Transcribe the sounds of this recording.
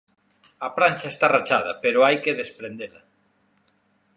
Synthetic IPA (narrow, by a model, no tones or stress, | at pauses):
apɾanʲt͡ʃaest̪arat͡ʃað̞ɐpeɾoajkeðespɾend̪ela